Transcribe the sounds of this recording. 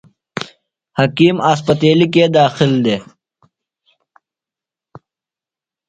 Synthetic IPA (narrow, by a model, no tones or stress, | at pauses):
hɐkiːmaːs̬pɐt̪eːlik̬eːd̪aːxɪld̪eː